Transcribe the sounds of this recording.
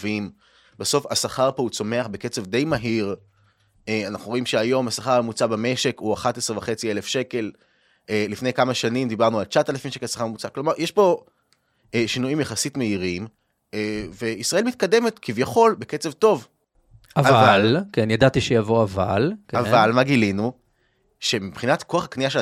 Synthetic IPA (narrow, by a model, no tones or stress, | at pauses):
vim | baso̞fasaχaʁpo̞ut͡so̞me̞aχbe̞ke̞t͡se̞vd̪e̞jmaɦiʁ | eanaχnuʁo̞imʃeajo̞masaχaʁmamut͡sabame̞ʃe̞kuaχat̪esʁevaχe̞t͡sielefʃe̞ke̞l | eːifnejkamaʃanimd̪ibaʁnualt͡ʃat̪alafimʃekesḁχaʁmut͡saklo̞maʁjeʃbo̞ | eʃinuimjaχasitme̞iʁim | eve̞isʁaɐelmit̚kad̪e̞metkʰivjaχo̞lbeket͡se̞vto̞v | avavalkenjadat̪iʃejavo̞avalkavalmaɡilinu | ʃe̞mipχinatko̞aχakniaʃe